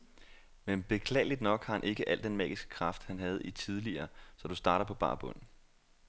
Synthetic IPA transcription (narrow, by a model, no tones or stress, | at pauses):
menb̥e̝kʰlɛ̰ːɪlid̥nɒ̽ɡ̥hɑ̈hænʔe̝ɡ̥əʔæl̰d̥enmɛ̰ːɡ̥isɡ̥ə̥kʰʁɑ̈fd̥hænɦæð̞̩ˠit͡sʰið̞ˠliɐːsɒ̽d̥usd̥ɑ̈ːɾɐpʰɒ̽b̥ɑ̰̈ːb̥ɔ̽n̰̩